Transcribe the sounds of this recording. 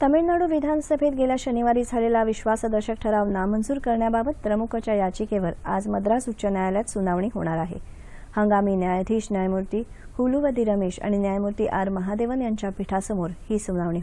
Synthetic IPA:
t̪əmiɭnaɽuːʋid̪ʱansəbʱet̪ɡeljaɕəniʋaɾiːd͡zʱalelaʋiɕʋasəd̪əɾɕək̚ʈʰəɾaʋnamənd͡zuːɾkəɾɳjababət̪̚pɾəmukʰət͡ɕjajad͡ʑikeʋəɾa̰d͡zməd̪ɾasut͡ɕənjajljat̪sunaʋɳiːɦoɽ̃aɾaɦḛ | həŋɡamiːnjajd̪ʱiːɕnjajmuɾt̪iː | huluʋəd̪ʱiːɾəmeɕa̰ɽ̃injajmuɾt̪iːʔaɾməɦad̪eʋənjaɲt͡ɕjapiʈʰasəmoɾhiːsunaʋɳiːɦ

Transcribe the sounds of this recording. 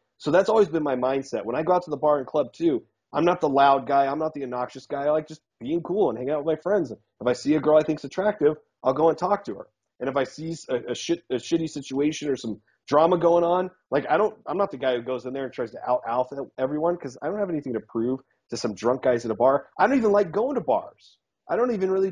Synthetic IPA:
soʊðætsɔlˠwizbɨ̃nmaɪmãɪ̃nd̥sɛt̚wə̃ñaɪɡoʊaʊtʰəðəbɑɹɨ̃nkʰl̥ʌb̚tʰʉ | ʔã̰ɪ̃mnət̪̚ðəlaʊd̚ɡaɪãɪ̃mnət̪̚ðiɨnɑkʃɨsɡ̥aɪlaɪk̚ʒ̥ʌsb̥iɪ̃ŋkʰulˠə̃nhæ̃ŋ̃ŋaʊt̚wəðmaɪfɹɛ̃ndz̃n | əfaɪsiɨɡɜ˞lˠaɪθɪ̃ŋksɨtʰɹ̥æk̚tɪv | ʔaɪlˠɡoʊə̃ntʰɔk̚tʰɨə̰˞ | ʔɨ̃ñɨfaɪsisɨɨʃɪɾɨʃɪɾisɪt͡ʃueɪʃɨ̃nə˞sʌ̃m | dɹɑməɡoʊɪ̃ŋə̃n | laɪkaɪɾõʊ̃nãɪ̃mnət̪̚ðɨɡaɪhʉɡoʊzɨ̃nðə˞ɨ̃ntʰɹ̥aɪz̥tʰɨa̰ʊɾa̰ʊθɛvɹiwʌ̃nkʰʌzaɪdõʊ̃nthɨvɛniθɪ̃ŋtʰɨpʰɹ̥ʉv̥ | tʰɨsʌ̃mdɹʌ̃ŋk̚ɡ̥aɪzɨ̃ɾəbɑɹaɪɾõʊ̃ntivə̃nlaɪk̚ɡ̥oʊɪ̃ŋtʰəbɑ̰ɹz̥ | ʔaɪɾõʊ̃ntivɨ̃nɹɪlˠi

